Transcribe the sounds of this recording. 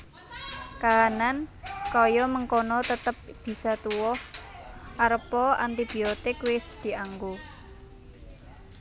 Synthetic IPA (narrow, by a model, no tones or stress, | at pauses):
kaɦanankɔjɔməŋkonɔt̪ət̪əp̚b̥i̤sat̪uwɔh | aɾəpɔant̪ib̥i̤ot̪ɪkwɪsd̪̥i̤aŋɡu